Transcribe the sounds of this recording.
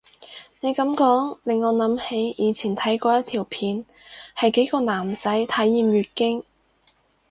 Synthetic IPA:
ne˨˧jkɐ˨˥mkɔː˨˥ŋlɪ˨ŋːɔː˨˧nɐ˨˥mhe˨˧˥jjiː˨˧t͡sʰiː˨˩nt̪ʰɐ˨˥jkɔː˧jɐ˥t̪ʰiː˨˩wpʰiː˨˧n | hɐ˨jke˨˥jkɔː˧naː˨˩mt͡sɐ˨˥jt̪ʰɐ˨˥jːiː˨mɥyː˨t̚kɪ˥ŋ

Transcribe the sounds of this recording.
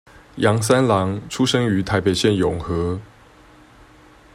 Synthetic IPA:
jɑ˧˥ŋs̬a˥nlɑ˧˥˦ŋʈ͡ʂʰu˥ʂɤ˥ŋy˨˧˥t̪ʰa˧˥ɪpe˨˩ɪɕjɛ˥˨njʊ˨˩ŋxɤ˧˥˦

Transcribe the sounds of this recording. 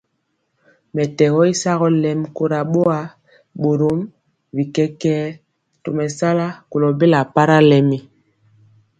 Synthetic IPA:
mɛ˨tɛ˨ɣɔ˦i˦sa˦ɣɔ˦lɛ˨mko˦ɾa˨ɓo˦a˦ | ɓo˨ɾo˦m | vi˨kɛ˦kɛː˦ | to˨mɛ˨sa˦la˦ko˨lɔ˨be˦la˨pa˦ɾa˦lɛ˨mi˨

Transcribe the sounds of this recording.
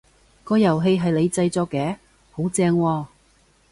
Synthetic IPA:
kɔː˧jɐ˨˩wɦe˧jɦɐ˨jle˨˧jt͡sɐ˧jt͡sɔː˧kːɛː˨˥ | ho˨˥wt͡sɛː˧ŋwɔː˧

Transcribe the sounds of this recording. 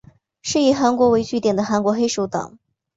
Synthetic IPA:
ʂɻ̩˥˩i˧˥xa˧˥nkwɔ˧˥we˧˥ɪt͡ɕy˥t̪jɛ˨˩nd̪ə˦xa˧˥nkwɔ˧˥xe˥ɪʂo˧˥ʊt̪ɑ̰˨˩˦ŋ

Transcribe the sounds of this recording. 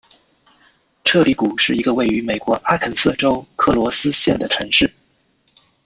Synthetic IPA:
ʈ͡ʂʰɤ˥˩li˧˥ku˨˩ʂɻ̩˥˩i˧˥ɡə˧we˥˩ɪy˧˥me˨˩ɪkwɔ˧˥ʔa˥kʰə˧˩nsɤ˥˩ʈ͡ʂo˥ʊkʰɤ˥˩lwɔ˧˥sɹ̩˥ɕjɛ˥˩nd̪ə˩ʈ͡ʂʰɤ˧˥ŋʂɻ̩˥˩

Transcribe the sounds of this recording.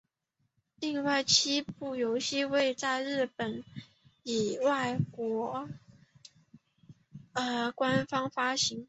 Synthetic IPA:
li˥˧ŋwa˥˩ɪt͡ɕʰi˥pu˥˩jo˧˥ʊɕi˥˧we˥˧ɪt͡sa˥˧ɪɻɻ̩˥˩pə˨˩n | i˨˩wa˥˩ɪkwɔ˧˥ | ə˧˩kwa˦nfɑ˥ŋfa˥ɕi˧˥˦ŋ

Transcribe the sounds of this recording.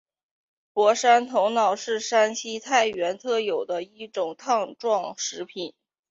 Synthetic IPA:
pwɔ˧˥ʂa˥nt̪ʰʊ˧˥ŋnɑ˨˩ʊʂɻ̩˥˩ʂa˥nɕi˥t̪ʰa˥˩ɪɥɛ˧˥nt̪ʰɤ˥˩jo˨˩ʊd̪ə˦i˥˩ʈ͡ʂʊ˨˩ŋt̪ʰɑ˥˧ŋʈ͡ʂwɑ˥˩ŋʂɻ̩˧˥pʰi˨˩˦n

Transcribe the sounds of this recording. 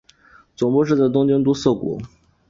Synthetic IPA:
t͡sʊ˨˩ŋpɔ˥˧ʂɻ̩˥˩d̪ə˧˩t̪̬ʊ˥ŋt͡ɕi˥ŋt̪u˥sɤ˥˩kwɔ̰˨˧˥

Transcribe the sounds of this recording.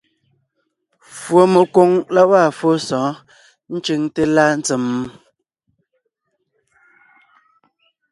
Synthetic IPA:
fwo˨me˨ko˦ŋla˦wa˦˨fo˦sɔ̃ː˨˦ | n̩˦t͡ʃe˦ŋte˦la˦n̩˦t͡se˨m˦

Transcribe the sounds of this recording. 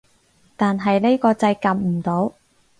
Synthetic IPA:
t̪aː˨nɦɐ˨jle˥jkɔː˧t͡sɐ˧jkɐ˨m̚m̩˨˩t̪o˨˥w

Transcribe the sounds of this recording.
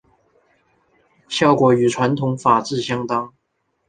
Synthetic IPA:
ɕjɑ˥˩ʊkwɔ˧˥y˨˩ʈ͡ʂʰwa˧˥nt̪ʰʊ˧˥ŋfa˨˩ʈ͡ʂɻ̩˥˩ɕjɑ˥ŋt̪ɑ˥ŋ

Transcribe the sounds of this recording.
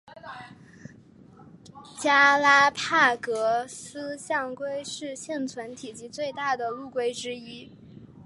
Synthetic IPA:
t͡ɕja˥la˥pʰa˥˩kɤ˧˥s̩˥ɕjɑ˥˩ŋkwe˥ɪʂɻ̩˥˧ɕjɛ˥˩nt͡sʰwə˧˥nt̪ʰi˨˩t͡ɕi˧˥t͡swe˥˧ɪt̪a˥˩d̪ə˩lu˥˩kwe˥ɪʈ͡ʂɻ̩˥i˥

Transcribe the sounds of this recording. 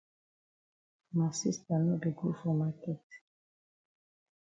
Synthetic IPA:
ma˨si˦st̪a˨no˦de˨ɡu˦fɔ˨ma˦kɛ˦t

